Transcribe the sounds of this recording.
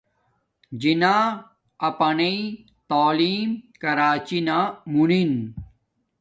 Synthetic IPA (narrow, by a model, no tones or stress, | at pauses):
d͡ʑinaː | ɐpɐnei | t̪aːliːmkɐɾaːt͡ɕinaːmunin